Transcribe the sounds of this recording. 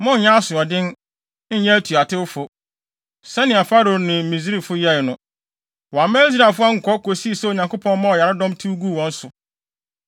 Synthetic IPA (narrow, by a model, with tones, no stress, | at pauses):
mʊ̃˦˨ɲã˦a˦sʊ˨ɔ˨dɪ̃˦n̩˦ | ɲɛ̃˦tʰu˨a˨tʰɪ˦ʊ˦fʊ˨ | sɛ˦nɪ̃˨a˨fa˦ɾo˨nɪ̃˨mĩ˨s̬i˦i˦˨fʊ˦jɛ˦ɪ˨nʊ̃˦ | wɔ˨a˨mɛ̃˦li˦s̬ɾa˨fʊ˦a˦ŋ̩˨kʰɔ˦kʰo˨si˦˨sɛ˦o˨ɲã˨ŋkʊ˦pʰɔ̃˦n˦mã˦ɔ˨ja˨ɾa˦dɔ̃˦mtʰu˦ɡu˦˨wɔ̃˦n̩˦sʊ˨